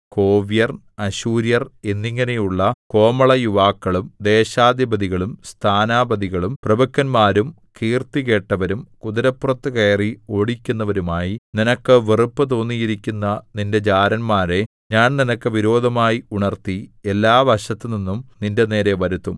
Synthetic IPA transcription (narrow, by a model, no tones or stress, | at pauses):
ko̞ːʋijɐrn | ɐɕuːɾjɐre̞nːiŋːɐne̞juɭːɐko̞ːmɐɭɐjuʋaːkːɐɭumd̪e̞ːɕaːd̪jɐbɐd̪iɣɐɭumst̪ʰaːnaːbɐd̪iɣɐɭumprɐbɐkːɐnmaːɾum | kiːrt̪ike̞ːʈːɐʋɐɾumkud̪ɐɾɐpːurɐt̪ːɨkɐjɐrio̞ːɽikʲːunːɐʋɐɾumaːjininɐkːɨʋerupːɨt̪̬o̞ːnːijiɾikʲːunːɐninde̞d͡ʑaːɾɐnmaːɾe̞ | ɲaːnninɐkːɨʋiɾo̞ːd̪ʱɐmaːjiuɳɐrt̪ie̞lːaːʋɐɕɐt̪ːɨninːumninde̞ne̞ːɾe̞ʋɐɾut̪ːum